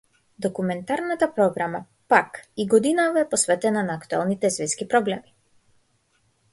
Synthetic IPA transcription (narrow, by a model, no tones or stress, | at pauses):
d̪ɔkumɛnt̪aɾnat̪apɾɔɡɾama | pakiɡɔd̪inavaɛpɔsvɛt̪ɛnanaːkt̪ua̰lˠnit̪ɛsvɛskipɾɔblɛmi